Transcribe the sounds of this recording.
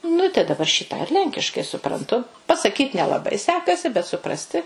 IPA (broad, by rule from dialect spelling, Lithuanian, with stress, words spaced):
ˈnʊ ɪ tɐɪ dɐˈbɐr ʃʲiː tɑː ɪr ˈlʲɛŋʲkʲɪʃkɐɪ sʊprɐnˈtʊ pɐsɐˈkʲiːt nʲɛlˠɐˈbɐɪ ˈsʲæːkɐsʲɪ bʲɛt sʊˈprɑːsʲtʲɪ